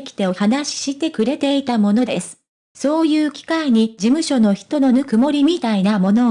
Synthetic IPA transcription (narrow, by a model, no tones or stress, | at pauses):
kʲi̥t̪e̞ohanaɕi̥ɕit̪e̞kɯ̟ɾe̞t̪e̞it̪amo̞no̞d̪e̞sɨ̥ | so̞ːjɯ̟ːkʲi̥kaiɲ̟id͡ʑimɯ̟ɕo̞no̞çi̥t̪o̞no̞nɯ̟kɯ̟mo̞ɾʲimʲit̪ainamo̞no̞